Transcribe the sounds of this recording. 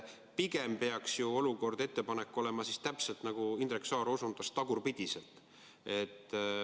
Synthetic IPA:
piɡe̞mpe̞ɑksjuo̞luko̞rd̪e̞t̪ːepɑnekːˑo̞lemɑsist̪æpse̞lt̪nɑɡ̥uind̪ɾeksɑːɾo̞sund̪̥ɑst̪ːɑɡurpid̪̥ise̞lt̪ˑ | e̞t̪ːˑ

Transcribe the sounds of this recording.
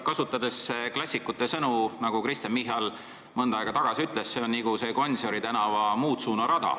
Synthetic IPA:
kɑsut̪ˑːɑd̪e̞sːeklɑsʲːikːˑut̪ˑːe̞sɤnunɑɡ̥ukrist̪ɑnmiɦɑl | mɤnd̪̥ɑɑeɡɑt̪ɑɡ̥ɑsʲiyt̪ˑle̞sseonniɡuse̞ko̞nʲso̞ɾit̪ænɑvɑmuːt̪suːnɑɾɑd̪̥ɑ̰

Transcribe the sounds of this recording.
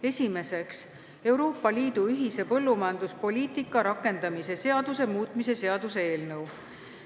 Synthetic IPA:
e̞sʲime̞se̞ks | e̞wɾo̞ːpːˑɑliːd̪̥uyɦise̞pɤ̞lːumɑjɑnd̪uspo̞lʲiːt̪ˑikːˑɑɾɑkːˑe̞nd̪̥ɑmise̞se̞ɑd̪̥use̞muːt̪ˑmise̞se̞ɑd̪̥use̞e̞ːlnɤw

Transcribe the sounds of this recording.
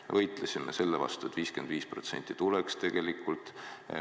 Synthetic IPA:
vɤjt̪ˑlesʲimese̞lːevɑ̰st̪uet̪viːske̞nd̪viːspro̞̰t̪se̞nʲt̪ːˑi̥t̪ulekst̪e̞ɡ̥e̞likːult̪ˑ

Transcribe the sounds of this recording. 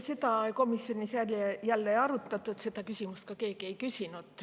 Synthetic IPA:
set̪ɑko̞misjo̞nisjælʲejælːeɑɾut̪ˑːɑt̪ːˑuet̪se̞d̪ɑkysʲimust̪̚kɑke̞ːɡ̥ie̞jkysinud̪̥

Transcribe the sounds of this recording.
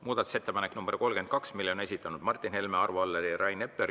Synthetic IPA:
muːd̪ɑt̪u̥se̞t̪ːe̞pɑneknumberko̞lɡ̥e̞nkɑksmilːeone̞sit̪ːˑɑnud̪̥mɑrt̪ːˑinhe̞lmeɑrvuɑlːeɾiɾɑjne̞pːˑer

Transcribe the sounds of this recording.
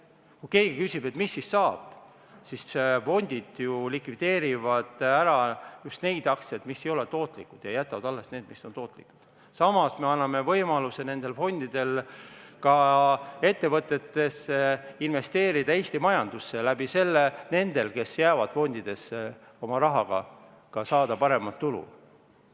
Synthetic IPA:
kuke̞ːɡ̥ikysib̥e̞t̪misːisːɑːb̥ | sisfo̞nʲd̪̥id̪̥julikvid̪̥e̞ːɾivɑd̪̥æɾɑjust̪ne̞jd̪̥ɑk̪set̪misːe̞jo̞le̞t̪o̞ːt̪ˑlikːˑud̪̥jɑjæt̪ːˑɑvɑd̪̥ɑlːe̞st̪ne̞ːd̪̥misːo̞nt̪o̞ːt̪ːˑlḭku̥d̪̥ | sɑmɑsme̞ɑnːɑme̞vɤjmɑluse̞ne̞nd̪̥e̞lfo̞nʲd̪̥id̪̥e̞lkɑe̞t̪ːe̞vɤt̪ːˑe̞t̪ːe̞seinve̞st̪e̞ːɾid̪̥ɑeːst̪imɑjɑnd̪̥usːe̞læb̥ise̞lːene̞nd̪e̞lke̞sjæːvɑd̪̥fo̞nʲd̪̥id̪̥e̞s | o̞mɑɾɑɦɑɡ̥ɑ̰ | kɑsɑːd̪̥ɑpɑɾe̞mɑt̪ːulṵ

